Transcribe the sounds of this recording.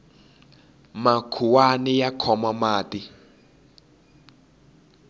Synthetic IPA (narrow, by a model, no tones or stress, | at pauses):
makʰuwanɛjakʰɔmamaːti